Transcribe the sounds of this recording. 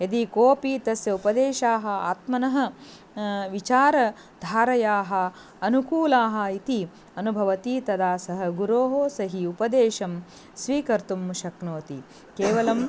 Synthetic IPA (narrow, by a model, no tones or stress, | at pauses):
jɐd̪ikoːpiːt̪ɐsjɐupɐd̪eːʃaːɦɐ̆a̰ːt̪mɐnɐɦɐ̆ | ʋit͡ʃaːɾɐ | d̪ʱaːɾɐjaːɦɐ | ɐnukuːlaːɦɐ̆it̪i | ɐnubʱɐʋɐt̪it̪ɐd̪aːsɐɦɐ̆ɡuɾoːɦoːsɐɦiupɐd̪eːʃɐm | sʋiːkɐɾt̪umːuʃɐknoːt̪i | keːʋɐlɐm